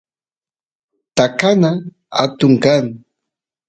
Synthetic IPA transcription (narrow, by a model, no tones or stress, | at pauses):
t̪akana | a̰t̪ʊŋkaŋ